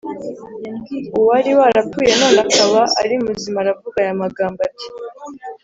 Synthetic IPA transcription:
ɡiuwaɾiwaɾapuje̞no̞ːnakaβaaɾimuzimaɾavuɡajamaɡaːmbati̥

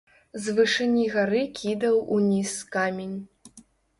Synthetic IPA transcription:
zvɨʂɨnʲiɣaɾɨkʲid̪ɐwʔunʲiskamʲenʲ

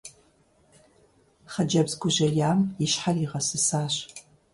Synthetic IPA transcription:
χɐd͡ʒɐbzɡʷʊʒɐjaːmiʃħariʁɐsɨsaːɕ

